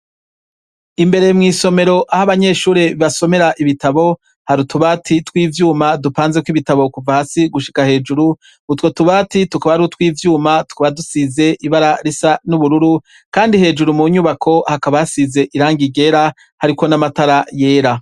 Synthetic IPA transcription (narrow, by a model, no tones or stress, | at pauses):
imbe̞ɾe̞mŋiːso̞me̞ɾo̞ʔahaβaɲe̞ːʃuːɾeiβaso̞me̞ɾaʔiβitaβo̞ | haɾutuβaːtʰitkwiːvjuːmadupaːnzekwiβitaβo̞kuvahasiɡuʃi̥kahe̞ːd͡ʒuɾu | utwo̞tuβaːtitukaβahaɾiutwiːvjuːmatu̥kaβadusize̞ʔiβaɾaɾisanuβuɾuɾu | kaːndihe̞ːd͡ʒuɾumuɲuβakʰo̞hakaβajasize̞ʔiɾaːŋɡiɡe̞ːɾa | haɾiko̞namataɾaje̞ːɾa